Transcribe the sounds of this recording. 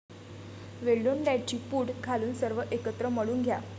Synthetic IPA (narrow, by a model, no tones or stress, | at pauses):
ʋeɭɖonɖɛɖt͡ɕiːpuːɽkʰaluːnsəɾʋəʔekət̪ɾəməɽuːnɡʱja